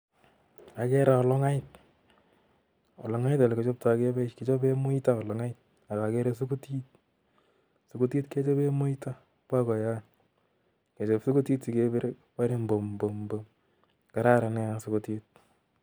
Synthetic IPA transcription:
a˨kɛ˦ɾa˨ɔ˧lɔ˦ŋa˦ɪt̚ | ɔ̰˨lɔ˨ŋa˦itɔ˨lɛ˨ket͡ʃɔ˦p̚take˦bɛ˦t͡ʃket͡ʃɔ˦bemo˦ita˦ɔ˨lɔ˨ŋa˦ɪt̚ | a˨ka˨kɛ˦ɾes̬u˦ku˦ti˦t̚ | su˨ko˦ti˦tke˦t͡ʃɔ˦be˦mo˦ita˦ | pwa˦kɔ˨ja˦ | ke˨t͡ʃɔpsu˦ku˦ti˦tsi˨ke˦be˦ɾ | pa˦ɾe˦mbo˨mbo˨mbo˨m | ka˨ɾa˦ɾa˨nɛ˦a˨sʊ˦ko˦te˦t̚

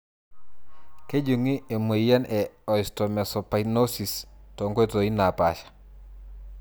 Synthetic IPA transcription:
ke˦d͡ʒu˨ŋi˦e˨me˨ja˦nɛɔ˨istome˨sɔ˨pa˨inosi˨stoŋɡo˦e˦˨to˨i˦na˨paʃḁ

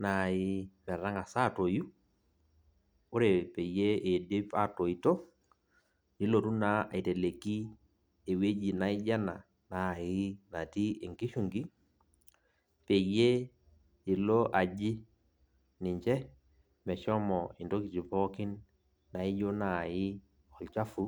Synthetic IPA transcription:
na˨ɪ˦mɛ˨ɾa˦ŋa˨sa˦˨to˨ju˦ | ʊ˦ɾe˨pe˨je˦e˨de˦pa˦˨to˨i˨to˦ | ni˨˦lo˨tu˦na˦a̰˨i˨te˨le˨ki˦ | e˨we˦d͡ʒi˨na˦ɪ˦d͡ʒa˦na˨ | na˨i˦na˨ti˦e˨ŋki˦ʃu˨ŋɡi˦ | pe˨je˦ | i˨lo˦ʔa˨d͡ʒi˦ | ni˨ɲt͡ʃɛ˦ | mɛ˨t͡ʃɔ˦mɔi˨nto˦ki˨t͡ʃi˨pɔ˦ki˦nː | a˨i˦d͡ʒo˦na˨ji˦ | ɔ˨lt͡ʃa˦fu˦

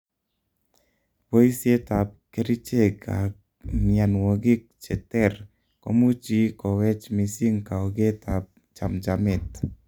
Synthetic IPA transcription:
wo˦i˦sje˦ta˨p̚ke˦ɾi˦t͡ʃe˦ka̰˨ | mja˨nwo˨ɡɪ˦k̚t͡ʃɛ˨tɛ˦r | ko̰˨˦mu˦t͡ʃi˦kɔ˨wɛ˦t͡ʃmi˨si˦ŋka˨o˨ɡe˦ta˨p̚ | t͡ʃa˨md͡ʒa˨mɪ˦˨t

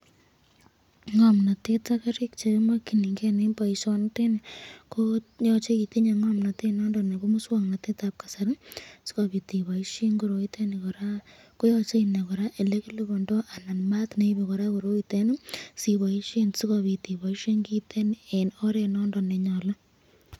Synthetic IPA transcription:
ŋɔ˨mna˨te˦ta˦ka˦ɾi˦kt͡ʃe˨˦mwa˦ki˨ni˨ŋɡe˦ne˦mba˨i˨sɔ˦nte˦ne˨ko˦jɔ˦t͡ʃe˦ki˨te˦ɲa˨ŋɔ˦mna˨te˦nɔ˦ndɔ˨ne˨ko˦mu˦swa˨ŋna˨te˦ta˦p̚kḁ˨sa˦ɾsi̥˦ko˨βi˨ti˨βa˨i˦ʃe˦ŋɡo˨ɾo˨i˦te˦ne˨kɔ˨ɾa˦ | ko˦jɔ˦t͡ʃe˦i˨ne˨kɔ˨ɾa˦ʔe˨le˦ki˦lo˦bɔ˨ndɔ˦ʔa˨na˨nma˦tne˦i˦be˨kɔ˨ɾa˦ko˨ɾo˦ite˦nɪ˦si˨βa˨i˦ʃe˦nsi˦kɔ˨βi˨ti˨βa˨i˦ʃe˦ŋɡi˦te˦ne˨nɔ˦ɾe˨nɔ˦ndɔ˨ne˨ɲɔ˨la˦

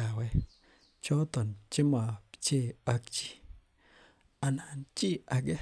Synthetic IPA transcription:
a˨wɛ˦ | t͡ʃɔ˦t̪ɔ˨nt͡ʃɪ˦ma˨pt͡ʃe˦˨a˦k̚t͡ʃi̥˦ | a˨na˨nt͡ʃi˦a˨ɡɛ˦

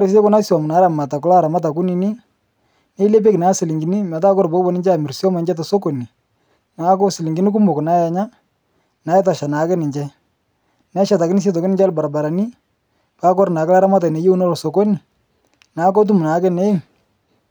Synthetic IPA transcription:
ɾɪ˨s̬e˦kɔ˦na˦si˦wɔ˨mʊ˨na˨˦ɾa˨ma˨ta˨k̬ʊ˦la˦˨ɾa˨ma˦t̬a˨k̬ʊ˦ni˨ni˦ | ne˦le˦p̬e˦kɪ˨na˨˦sɪ˨lɪ˨ŋɡɪ˨ni˦mɛ˨ta˦kɔ˦ɾbɔ˦bɔ˦nɪ˦ɲd͡ʒɛ˦a˨mɪ˨ɾsi˦ɔ˦ma˨ɲd͡ʒɛ˦t̬a˨so˦ko˨ni˨ | na˨˦kɔ˦sɪ˨lɪ˨ŋɡi˨ni˦k̬u˦mʊ˨kna˦ja˨ɲa˦ | na˨˦ɛ˦t̬a˨ʃa˨na˨˦kɛ˦nɪ˨ɲd͡ʒɛ˦ | na˦ʃa˨t̬a˨kɪ˦nɪ˦s̬e˦t̬ɔ˨kɪ˦nɪ˦d͡ʒa˦lba˨ɾa˨ba˨ɾa˨ni˦ | pa˨˦kɔ˦ɾnaː˨kɪ˦la˦ɾa˦ma˦t̬a˨ne˨je˦u˦nɔ˦lɔ˨so˨ko˦ni˨ | na˨˦kɔ˦t̬u˦mu˨na˨˦kɛ˦ne˦ŋ

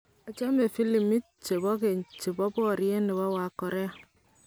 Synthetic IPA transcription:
a˨t͡ʃa˦me˨fi˦li˨mi˦t̚t͡ʃe˨bɔ˦ke˨nt͡ʃe˨bɔ˦bɔ˦˨ɾi˦e˦ni˨βa˦wa˨kɔ˨ɾe˦˨

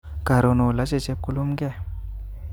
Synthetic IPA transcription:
ɡ̥a˨ɾo˨no˨la˨˦t͡ʃe˦˨t͡ʃe˦p̚ku˦lu˦mɡɛ˦˨

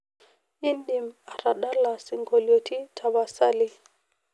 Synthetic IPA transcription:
i˦nɗi˨ma˨ɾa˨ɗa˦la˨si˨ŋɡo˨ljo˨ti˦tʰa˨ba˨sa˦li˦

